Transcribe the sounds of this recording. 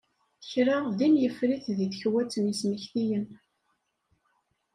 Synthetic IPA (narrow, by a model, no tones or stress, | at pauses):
çɾaðimjəfɾiθðiθçwæt͡sːənisməçθijən